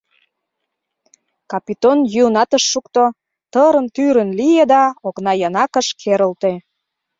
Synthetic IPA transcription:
kɑpit̪onjunɑt̪əʃːukt̪o | t̪əɾə̆nt̪yɾənlijed̪ɑoknɑjɑnɑkə̆ʃkʰeɾəlt̪e

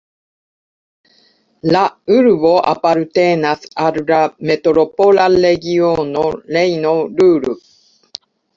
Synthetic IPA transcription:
laɯɾɯ̟βoʔa̰paɾɯ̟t̪enasaɾɯ̟ɾamet̪oɾopolalːeɡʲionoleinoɾɯ̟ːɾɯ

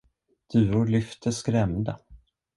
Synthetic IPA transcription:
d̪̥ʉ̟ːɾʊɾɭʏft̪ʰəskɾɛmd̪a

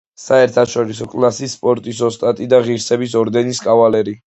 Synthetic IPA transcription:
saɛɾt̪ʰaʃɔɾisɔkʼlasisːpʼɔɾt̪ʼisɔst̪ʼat̪ʼid̪aʁiɾsɛbis̬ɔɾd̪ɛniskʼavalɛɾi

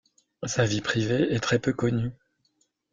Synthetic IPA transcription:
savipχiveɛt̪χɛpøkɔny

